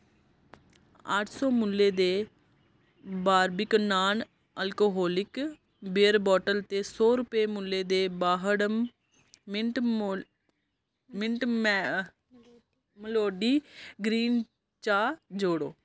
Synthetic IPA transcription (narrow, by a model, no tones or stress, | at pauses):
əʈʰsɔːmʊlːeːd̪eː | baːɾbɪknaːn | əlkoːɦoːlɪk | beːəɾbɔːʈəlt̪eːsoːɾʊpeːmʊlːeːd̪eːbaːɦəɽ | mɪɳʈm | məloːɖiːɡɾiːn | t͡ʃaːd͡ʒoːɽo̰ː